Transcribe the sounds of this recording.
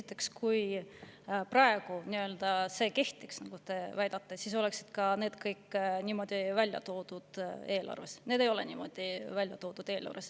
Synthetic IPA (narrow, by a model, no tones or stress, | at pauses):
sit̪ːˑe̞kskuj | prɑe̞ɡ̥uniø̞ld̪ɑse̞ːke̞ht̪iksnɑɡ̥ut̪e̞væjd̪̥ɑt̪ːˑesiːs̬o̞le̞ksi̥d̪̥kɑne̞ːd̪̥kɤjkːnʲiːmo̞d̪̥ivælʲjɑ̰t̪o̞ːd̪̥ud̪̥e̞ːlʔɑ̰rve̞̰sne̞d̪̥e̞jo̞lḛniːmo̞̰d̪̥ivælʲjɑt̪o̞ːd̪̥ud̪̥e̞ːlɑ̰rvḛs